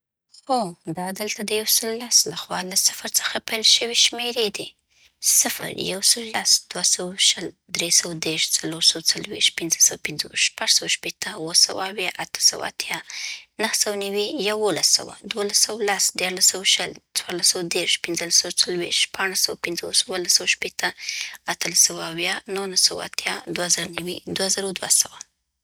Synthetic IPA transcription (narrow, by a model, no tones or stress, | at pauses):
xod̪ɑd̪əlt̪ad̪əjawsəlːaslaxwɑlasɪ̥fɾt͡sə̥xapajlʃəweʃmeɾed̪i | sɪfə̰ɾjawsəlːasd̪̥wasawaʃəl | d̪ɾesawad̪eɾʃt͡saloɾsawat͡salwḭʃt̪̚pɪnzəsawapɪnzoʃpaʐsawaʃpet̪ʰəwəsawa̰awjɑʔat̪ə̥sa̰wa̰a̰t̪jɑnəhsawnawijawolasa̰wa̰d̪wolasawlasd̪jɑɾlasawaʃəlt͡swɑɾlasawad̪eɾʃpɪnzəlasawt͡salwḭʃtpʰaɳasawapɪnzoswalasawaʃpet̪ʰəat̪əlasawaawjɑnohnasaw̰a̰t̪ʰjɑd̪wazaɾanawid̪wazaɾawd̪wasawa